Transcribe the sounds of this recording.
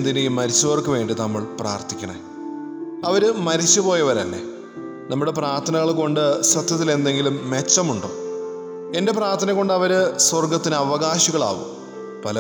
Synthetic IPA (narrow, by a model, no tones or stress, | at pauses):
nd̪enikʲːɨmɐɾit͡ɕːuʋɐrkːɨʋe̞ːɳɖinɐmːɐɭpraːrt̪ʰikʲːɐɳɐḛ | ɐʋɐɾɨmɐɾit͡ɕːupo̞ːjɐʋɐɾɐ̰lːḛ | nɐmːuɽe̞praːrt̪ʰːɐnɐɣɐɭko̞ɳɖɨsɐt̪jɐt̪̬ːile̞nd̪e̞ŋɡilumːe̞t͡ɕːɐmuɳɖo̰ː | e̞nde̞praːrt̪ʰɐnɐkːo̞ɳɖɐʋɐɾɨswɐrɡɐt̪ːinɨɐʋɐɣaːɕiɣɐɭa̰ːʋṵm | pɐlɐ